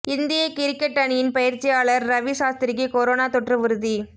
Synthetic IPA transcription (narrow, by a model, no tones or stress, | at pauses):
ɪnd̪ɪjɐkɪɾɪkːɐʈːɐɳɪjɪnpɐjɪɾt͡ʃːɪjaːɭɐɾːɐʋisaːst̪ɪɾɪɣikoɾoːnaːt̪ɔʈrɯʋɯɾɯði